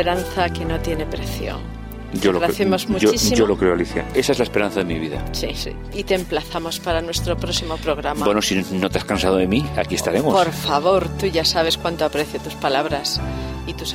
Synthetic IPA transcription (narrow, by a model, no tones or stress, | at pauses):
eɾanθakenot̪je̞ne̞pɾeθjo̰ŋ | ɟ͡ʝolɣɾaθjemozmuoisiolokɾeoaliθja̰e̞sae̞zlaespeɾãn̟θaðemiβiða̰sḭḭ | it̪emplaθamo̞spaɾanwe̞st̪ɾo̞pɾosimo̞pɾo̞ɣ̞ɾambabwenosinot̪easkansaðoðemia̰kiest̪aɾemopoɾfaβo̞ɾt̪uʝasaβ̞e̞skwant̪oapɾeθjot̪uspalaβ̞ɾasit̪us